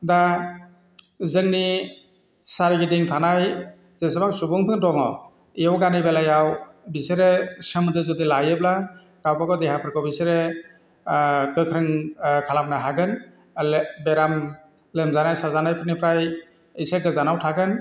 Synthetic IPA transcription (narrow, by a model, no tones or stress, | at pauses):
da | zɯŋni | saɾɡideŋtʰanaj | z̥esebaŋsubuŋpʰɯŋdɔŋɔ | ijawɡanibelajaw | biseɾesɯmɯdɯzɯdilajɯb̚la | ɡawpakɔdeɦapʰɯɾkʰɔbiseɾe | kɯkʰɾɯŋkʰalap̚naɦaɡɯn | lbeɾam | lemzanajsazanajpʰɯnipʰɾaj | ijseɡɯzanawtʰaɡɯn